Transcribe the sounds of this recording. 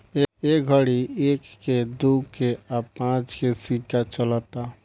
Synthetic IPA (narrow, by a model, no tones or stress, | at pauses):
eeɡʱəɽiekːed̪ukeapãt͡ʃkesikat͡ʃələt̪a